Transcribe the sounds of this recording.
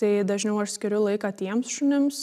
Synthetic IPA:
t̪ɐɪd̪ɐʒʲnʲɛʊɐʃsʲkʲɪɾʲʊlˠɐɪkɑːt̪ʲiɛmsʃʊnʲɪms

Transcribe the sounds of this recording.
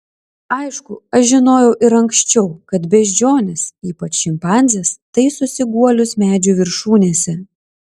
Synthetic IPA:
ɐɪʃkʊɐʃʒʲɪnoːjɛʊʔɪɾɐŋksʲt͡ʃʲɛʊkɐt̪bʲɛʒʲd͡ʒʲoːnʲɪsiːpɐt͡ʃʃʲɪmpɑˑnʲzʲɛst̪ɐɪsʊsʲɪɡuɔlʲʊsmʲæːd͡ʒʲʊʋʲɪɾʃuːnʲeːsʲɛ

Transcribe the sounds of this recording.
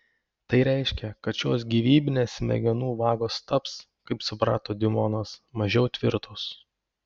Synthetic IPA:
t̪ɐɪɾʲɛˑɪʃʲkʲɛkɐt̪ʃʲoːsɡʲiːʋʲiːbʲɪnʲeːsmʲɛ̰ɡʲɛnuːʋɑːɡoːst̪ɐps | kɐɪpsʊpɾɑːt̪oːd̪ʲɪmɔnɐsmɐʒʲɛʊt̪ʲʋʲɪɾt̪os

